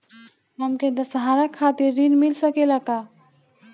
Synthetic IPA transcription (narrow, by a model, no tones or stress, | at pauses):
ɦɐmked̪ɐsɦaːɾəkʰːaːt̪ɪɾːinmɪlsɐkelakaː